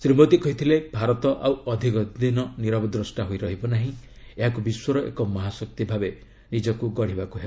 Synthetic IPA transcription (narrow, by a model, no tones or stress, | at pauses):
sɾimɔt̪ikɔɦit̪ʰilebʱaɾɔt̪ɔʔawɔd̪ʱikɔinɔniɾɔbɔd̪ɾɔsʈaɦoiɾɔɦibɔnaɦĩ | eɦakubiswɔɾɔʔḛkɔmɔɦasɔk̚t̪ibʱabe | nid͡ʒɔkuɡɔɽ̤ibakuɦeb